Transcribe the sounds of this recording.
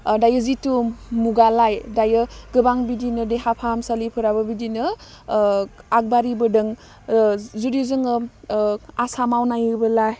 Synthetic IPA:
dajɯzitumuɡalajdajɯɡɯbaŋbidinɯdeɦapʰamsalipʰɯɾabɐbidinɯ | ak̚baɾibɯdɯŋ | zuɾizɯŋɯ | asamawnajɯbɯlaj

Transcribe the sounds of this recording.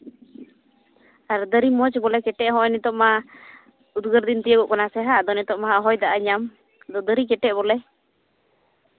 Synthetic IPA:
aɾd̪əɾimɔt͡ʃbɔlɛkɛʈɛʔɦɔ̃ʔɔnɛt̪ɔʔma | ud̪ɡəɾd̪int̪ijəɡɔʔkɔnasɛɦaʔd̪ɔnɛt̪ɔʔmaɦaɦɔjd̪aʔaɲam | d̪ɔd̪əɾikɛʈɛʔbɔlɛ

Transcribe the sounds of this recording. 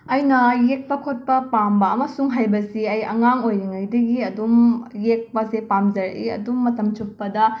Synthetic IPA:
ɐjnɐjek̚pɐkʰot̚pɐpambɐɐmɐsuŋɦajbɐsiɐjɐ̰ŋaŋojɾiŋɐjdɐɡiɐdumjek̚pɐzepamzɐɾʔḭɐ̰dumːɐtɐmt͡ʃuk̚pɐdɐ

